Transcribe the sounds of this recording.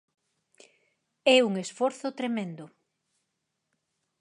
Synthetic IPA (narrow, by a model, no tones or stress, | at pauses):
ɛuŋesfɔɾθʊt̪ɾemẽnd̪ʊ